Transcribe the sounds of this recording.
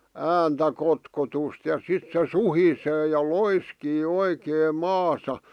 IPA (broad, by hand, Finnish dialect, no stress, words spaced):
æːntæ kotkotust jɑ sit se suhiseː jɑ loiskiː oikeːm mɑːsɑ